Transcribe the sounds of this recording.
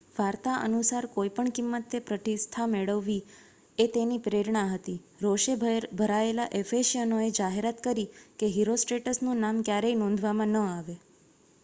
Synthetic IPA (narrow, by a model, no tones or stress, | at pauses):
ʋaɾt̪aʔə̰nusaɾkoipəɳkimːət̪ːepɾət̪ist̪ʰameɭəʋːi | et̪enipɾeɾɳaɦət̪iɾoʃebʱəɾaelaʔefeʃiənoed͡ʒaɦeɾat̪kəɾikeɦiɾosʈɾeʈəsnũnamkjaɾeinɔ̃nd̪ʱʋamãnəaʋe